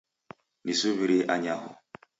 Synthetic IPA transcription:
nisuβiɾiʔaɲaɦʊ̰

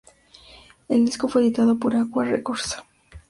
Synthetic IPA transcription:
e̞ld̪isko̞fweeðit̪aðopoɾaɣwarḛkoɾsḁ

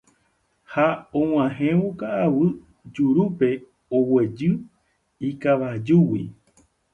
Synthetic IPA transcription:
haõw̃ãɦẽʋukaːwɨ | d͡ʒuɾupe̞ | owe̞d͡ʒɨ | ikaʋad͡ʒuwi

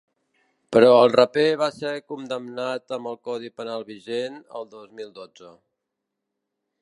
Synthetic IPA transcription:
pəɾɔəlˠrəpeβasekund̪əmnat̪əmbəlˠkɔðipənalˠβiʒenə̰lˠd̪ozmilˠd̪od͡zə

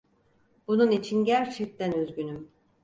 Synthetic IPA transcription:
b̥ununit͡ʃʰinɟæɾt͡ʃʰɛc̚t̪ʰænøzɟynym

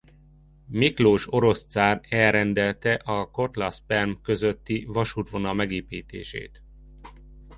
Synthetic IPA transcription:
mikloːʃo̞ɾo̞st̪saːrɛlɾɛnd̪ɛlt̪ɛʔɒko̞t̪lɒspɛrmkø̞zøt̪ːivɒʃuːt̪ʋo̞nɒmɛɡeːpiːt̪ḛːʃḛːt̪

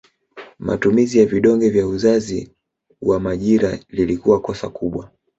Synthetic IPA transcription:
ma̰tumizijaviɗɔŋɡɛvjauzazi | wamaʄiɾalilikuwakɔsa̰kuɓwa

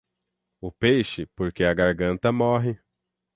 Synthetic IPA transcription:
ʊpejʃɪpoɾkeɐɡaɾɡɐ̃nt̪ɐmɔɦɪ

